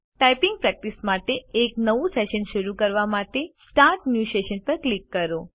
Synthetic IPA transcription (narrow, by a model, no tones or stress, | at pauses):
ʈajpiŋɡ̚pɾɛk̚ʈismaʈeːknəʋũseʃənʃəɾukəɾʋamaʈesʈaɾʈnjusʈeʃənpəɾklikːəɾo